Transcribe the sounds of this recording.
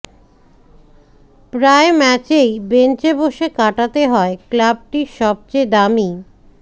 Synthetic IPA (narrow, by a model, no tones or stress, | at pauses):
pɾaemɛt͡ɕejbent͡ɕeboʃekaʈat̪eɦɔeklab̚ʈiʃɔb̚t͡ɕejd̪ami